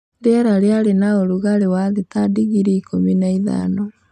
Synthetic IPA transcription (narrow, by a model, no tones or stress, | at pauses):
ndɛɾaɾeaɾenaoɾuɣaɾewaðetadiɣiɾiikʰominaiða̰nɔ